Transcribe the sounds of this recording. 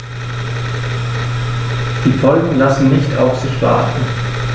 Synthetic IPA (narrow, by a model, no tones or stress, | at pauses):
d̥iːfɔlɡŋ̩lasn̩nɪçtʰa̰ʊfz̥ɪçv̥a̰ːtn̩